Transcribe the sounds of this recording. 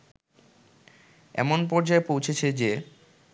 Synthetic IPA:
ɛ̰monpɔɾd͡ʑaepowt͡ɕʰet͡ɕʰed͡ʑe

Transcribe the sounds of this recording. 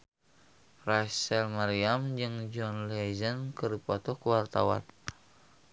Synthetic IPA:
rasɛlmaɾiamd͡ʒɨŋd͡ʒɔnlɛzənkɨrdipɔt̪ɔkuwart̪awa̰n

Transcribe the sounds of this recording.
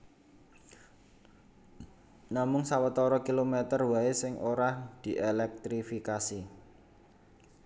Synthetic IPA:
namʊŋsawət̪ɔɾɔkilomet̪ərwaesɪŋʔoɾahd̪̥i̤ʔelɛk̚t̪ɾifikasi

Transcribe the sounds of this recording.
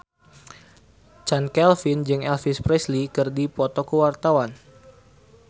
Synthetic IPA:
t͡ʃankɛlfind͡ʒɨŋɛlfispɾɛslikɨrdipɔt̪ɔkuwart̪awan

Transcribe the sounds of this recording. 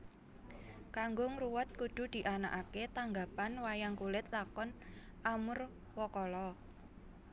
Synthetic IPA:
kaŋɡʊŋruwət̪̚kud̪̥ṳd̪̥i̤ʔanaʔaket̪aŋɡapanwajaŋkulɪt̪̚lakɔn | ʔamʊr | wɔkɔlɔ

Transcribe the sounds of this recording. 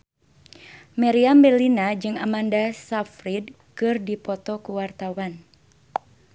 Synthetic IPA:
mɛɾiambɛlinad͡ʒɨŋa̰mandasafɾid | kɨrdipɔt̪ɔkuwart̪awan

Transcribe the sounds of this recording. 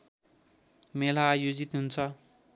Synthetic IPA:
melajod͡zit̪ɦunt͡sʰʌ

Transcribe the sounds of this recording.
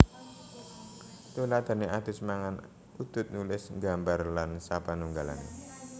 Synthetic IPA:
t̪ulad̪̥a̤neʔad̪̥ʊ̤smaŋan | ud̪̥ʊ̤t̪̚nulɪsŋɡa̤mbarlansapanuŋɡala̰nḛ

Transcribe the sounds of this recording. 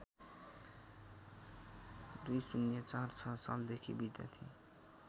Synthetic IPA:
d̪ujsunjʌt͡sart͡sʰʌsa̰ld̪ekʰibid̪ja̰t̪ʰi

